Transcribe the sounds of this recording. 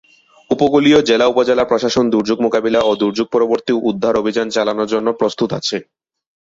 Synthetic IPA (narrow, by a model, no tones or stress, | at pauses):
upokuliod͡ʑelaupod͡ʑelapɾoʃaʃond̪uɾd͡ʑuɡmokabilaod̪uɾd͡ʑuɡ̚pɔɾoboɾt̪iud̪ʱːaɾobʱid͡ʑant͡ɕalanoɾd͡ʑonːopɾost̪ut̪a̰t͡ɕʰe